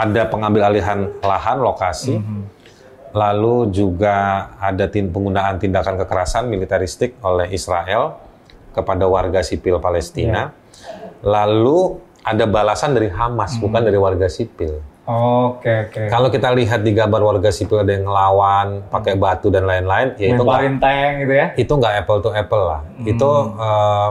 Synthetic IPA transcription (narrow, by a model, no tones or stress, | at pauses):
ʔadapəŋambɪlaliɦanlaɦanlokasi | lalud͡ʒuɡaːdat̪ipəŋɡunaːnt̪indakankəkəɾasanmilit̪aɾist̪ɪk̚olɛhisɾaʔɛl | kəpadawarɡasipɪlpalɛst̪ina | lalu | adabalasandaɾiɦamasbukandaɾiwarɡasipɪlokeokekalowkit̪aliɦat̪̚diɡambarwarɡasipɪladajaŋəlawanpakɛbat̪udanlaɪnlaɪnjaiuŋɡaɾint̪aŋit̪ujait̪uŋɡaʔɛpəlt̪uɛpəlːa̰hit̪uə